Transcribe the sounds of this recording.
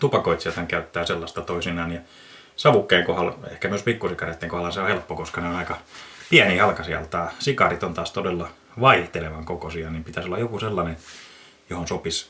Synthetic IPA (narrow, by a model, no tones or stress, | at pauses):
t̪upɑkoit̪sielt̪hɑŋkæyt̪ːæːselːɑst̪ɑt̪oisinɑːnjɑ | sɑʋukːeːŋkohɑlḛhkæmyøspikːusikɑret̪ːeŋkohɑlːɑseohelpːokoskɑneonɑikɑpiænihɑlkɑsiɑ̰lt̪ɑːsikɑrit̪ont̪ɑːst̪odelːɑ | ʋɑiht̪eleʋɑŋkokosiɑnimpit̪æsolːɑjokuselːɑnen | johonsopis